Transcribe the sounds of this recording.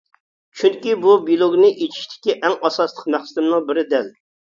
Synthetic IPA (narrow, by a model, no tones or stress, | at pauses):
t͡ʃʰyŋkʲibubilˠoɡʲnɨʔet͡ʃʰi̥ʃt̪ʰɪ̥kʲiʔɛŋʔɑsɑslˠə̥qmæχsɪd̪ɪmnɨŋbɪɾɪd̪ɛl